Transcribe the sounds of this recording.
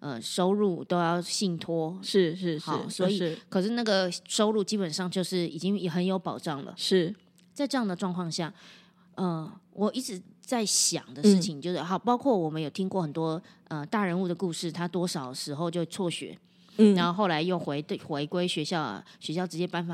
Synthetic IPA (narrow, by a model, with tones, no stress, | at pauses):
ʔə˧˩ʂo˥ʊɻu˥˩t̪o˥ʊjɑ˥˧ʊɕi˥˩nt̪ʰwɔ˥ʂɻ̩˥˩ʂɻ̩˥˧xɑ˨˩˥swɔ˧˥i˨˩kʰɤ˨˩ʂɻ̩˥˧na˥˩ɡə˩ʂo˥ʊɻu˥˩t͡ɕi˥pə˨˩nʂɑ˥˧ŋt͡ɕjo˥˧ʊʂɻ̩˥˩i˨˩t͡ɕi˥ŋ˩xə˧˥njo˧˥ʊpɑ˨˩ʊʈ͡ʂɑ˥˩ŋlə̰˩ʂɻ̩˥˩ | t͡sa˥˧ɪʈ͡ʂɤ˥˧jɑ˥˩ŋd̪ə˩ʈ͡ʂwɑ˥˧ŋkʰwɑ˥˧ŋɕja˥˩ | ʔə˧˩wʔɔ˨˩i˧˥ʈ͡ʂɻ̩˧˥t͡sa˥˩ɪɕjɑ̰˨˩ŋd̪ə˦ʂɻ̩˥˩t͡ɕʰi˩ŋt͡ɕjo˥˧ʊʂ̩˥˩xɑ˨˩ʊpɑ˥ʊkʰwɔ˥˩wɔ˨˩mə˦jo˨˩ʊt̪ʰi˦˥ŋkwɔ˥˩xə˨˩nt̪wɔ˥ə˧t̪a˥˩ɻə˧˥nu˥˩d̪ə˩ku˥˧ʂɻ̩˥˩t̪ʰa˥t̪wɔ˥ʂɑ˨˩ʊdəʂɻ̩˧˥xo˥˧ʊt͡ɕjo˥˧ʊt͡sʰwɔ˥˩ɕɥɛ̰˧˥˦ | a˧˦nxo˥˧ʊxo˥˩ʊla˧˥ɪjo˥˩ʊxwe˧˥ɪxwe˧˥ɪkwe˥ɪɕɥɛ˧˥ɕjɑ˥˩ʊ̰˩ɕɥɛ˧˥ɕjɑ˥˩ʊʈ͡ʂɻ̩˧t͡ɕjɛ˥pa˧˥nfa˨˩